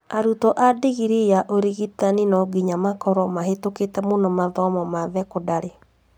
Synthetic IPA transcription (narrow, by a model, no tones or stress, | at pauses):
aɾutɔʔadeɣiɾejaʔoɾeɣitaninɔɡiɲamakɔɾɔmaɦetoketɛmonɔmaðɔmɔmaðɛkodaɾe